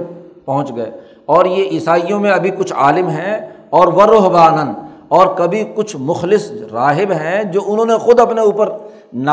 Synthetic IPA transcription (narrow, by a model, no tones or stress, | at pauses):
pɐɦʊ̃t͡ʃɡɐḛː | ɔːɾjeʔiːsaːijõmẽɐbʱikʊt͡ʃʰaːlɪmɦɛ̃ | ɔːɾʋɐɾoːɦbaːnən | ɔːɾkɐbʱikʊt͡ʃʰmʊxlɪsɾaːɦɪbɦɛ̃d͡ʒoːʊnɦõːnexʊd̪ɐpneuːpəɾ | na